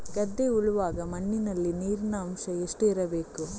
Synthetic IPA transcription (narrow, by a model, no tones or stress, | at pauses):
ɡɐd̪ːeuɭuʋaːɡɐmɐnːinɐlːiniːɾinɐːmʂɐeʂʈuiɾɐbe̞ːku